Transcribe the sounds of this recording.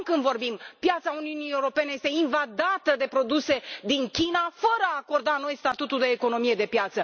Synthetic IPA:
kɨnd̪vo̞rbimpjat̪sauniunijeuɾo̞pe̞ne̞je̞st̪e̞invad̪at̪əd̪e̞pɾo̞d̪use̞d̪iŋkʲinafəɾəaːko̞rd̪ano̞jst̪at̪ut̪uld̪e̞ːko̞no̞mije̞d̪e̞pjat̪sə

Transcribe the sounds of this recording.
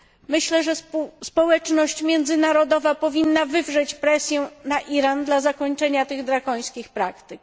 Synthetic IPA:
mɘɕlɛʐɛspɔwɛt͡ʂnɔɕt͡ɕmʲjɛnd̪zɘnaɾɔd̪ɔvapɔvʲinːavɘvʐɛt͡ɕpɾɛsʲjɛnaʔiɾand̪lazakɔɲt͡ʂɛɲat̪ɘɣd̪ɾakɔj̃skʲixpɾakt̪ɘk̚

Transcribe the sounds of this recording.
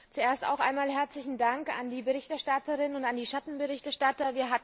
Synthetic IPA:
t͡sueːɐsta̰ʊxʔa̰ɪnmaːlɦɛɐt͡slɪçn̩daŋka̰ndiːbəʁɪçtɛɐʃtatəʁɪnnʊntandiːʃatn̩bəʁɪçtɛɐʃtatɐviːɐɦat

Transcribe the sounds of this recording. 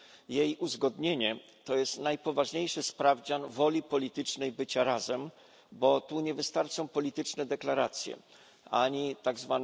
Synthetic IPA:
jejuzɡɔd̪ɲeɲɛ | t̪ɔjɛst̪najpɔvaʐɲejʂɛspɾavd͡ʑanvɔlʲipɔlʲit̪ɘt͡ʂnɛjbɘt͡ɕaɾazɛm | bɔt̪uɲɛvɘst̪aɾt͡ʂɔ̃w̃pɔlʲit̪ɘt͡ʂnɛd̪ɛklaɾat̪sʲjɛ̰ | aɲit̪aɡzvan

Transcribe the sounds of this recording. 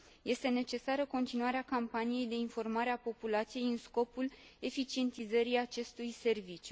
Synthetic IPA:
je̞st̪e̞ne̞t͡ʃe̞saɾəko̞nt̪inuaɾeakampanije̞jd̪e̞info̞rmaɾeapo̞pulat̪sije̞jɨnsko̞pul | e̞fit͡ʃie̞nt̪izəɾiat͡ʃe̞st̪ujse̞rvit͡ʃju

